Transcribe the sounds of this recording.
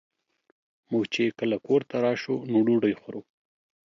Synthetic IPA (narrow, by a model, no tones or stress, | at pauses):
muɡt͡ʃeekəlakoɾt̪aɾɑʃonuɖuɖəjxaɾo